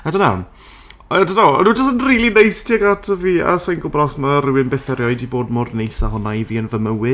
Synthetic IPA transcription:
adənan | ɛdənaɔ̰nuːd͡ʒɔsənriːlˠinejstʰiaɡatʰəviːa̰sajnɡʊbrɔsmarɪwɪnbɛθɛɾjɔɨdiboːdmʊrnejsaɦɔnaiviːənvəməwɪ

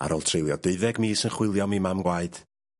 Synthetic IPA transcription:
a̰ɾoːlˠtʰrɪlˠjɔd̥eɨðɛɡmiːsənχwɪlˠjɔmimamɡwaɨd̥

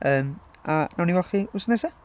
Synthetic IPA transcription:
əːm | anawniwɛχiʊsnɛsɛ

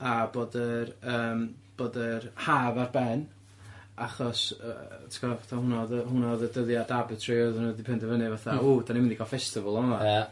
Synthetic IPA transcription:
aboːdərəːmb̥oːdərhaːvarbɛn | aχɔsə̰tʰɪ̥kʰɔvaθahʊnɔðəhʊnɔðədəðjadabɨtʰrioðənədipʰɛndəvənɨvaθaudanimɪndiɡalˠfɛstɪvəlˠɔna

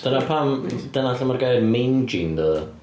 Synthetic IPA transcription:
d̥ənapʰamd̥ənaɬəmarɡajdmejnd͡ʒɪnd̪ə

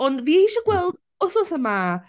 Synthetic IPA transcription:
ɔndviːiːʃaɡwɛlˠd | ɔsɔθəma

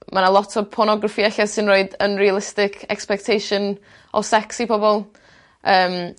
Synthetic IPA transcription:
manalˠɔtʰɔpʰɔnɔɡrafiɛɬasɨnroɨdənrialˠɪstɪkʰɛ̰kspɛk̚tʰejʃɨn | ɔ̰sɛksipʰɔbɔlˠ | ʔəːm

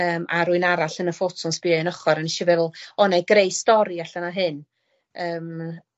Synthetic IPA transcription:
əːmʔaɾuɨnaɾaɬənəfotʰɔnsb̥iənəχɔɾanɪʃivɛvlˠɔnajɡrejstɔɾiaɬanaɦɨn | əːm

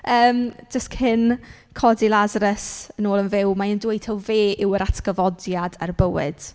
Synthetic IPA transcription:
əːmd͡ʒəskʰhɪn | kʰɔdilˠazaɾəsənoːlˠənvɪwmaəndwejtʰɛlˠveːʔɪwəɾatʰɡ̥əvɔdjada̰rbəwɪ̰d̥

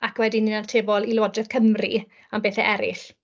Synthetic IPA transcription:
akʰwɛdininartʰeːvɔlˠilɔdrɛð̥kʰəmrḭ | ambeːθɛʔɛɾɪ̰ɬ

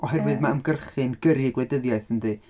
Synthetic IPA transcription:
ɔɦɛrvɨðmaəmɡərχɨnɡəɾɨɡlɛdəðjaɨθəndɨ

